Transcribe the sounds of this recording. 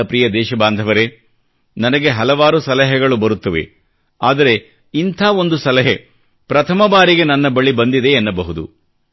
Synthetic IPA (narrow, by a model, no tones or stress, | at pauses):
ɐpɾiːjɐd̪ɛːʃɐbaːnd̪ʱɐʋɐɾe | nɐnɐɡe̞ɦɐlɐʋaːɾusɐlɐɦɛɡɐɭubɐɾut̪ːɐʋḛ | aːd̪ɐɾe̞ | int̪ʰaːo̞nd̪usɐlɐɦe | pɾɐt̪ʰɐmɐbaːɾiɡe̞nɐnːɐbɐɭibɐnd̪id̪e̞ːnːɐbɐɦud̪u